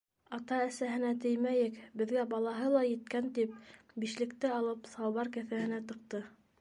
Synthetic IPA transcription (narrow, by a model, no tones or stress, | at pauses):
ɑt̪ɑæsæɦɘ̆næt̪ɘjmæjɘkbɘ̆ðɡæbɑlˠɑɦɤlˠɑjɘ̆t̪̚kænt̪ip̚ | biʃlɘ̆kt̪ɘɑlˠɤpsɑwβɑɾkæθæhɘ̆næt̪ɤ̆q̚t̪ɤ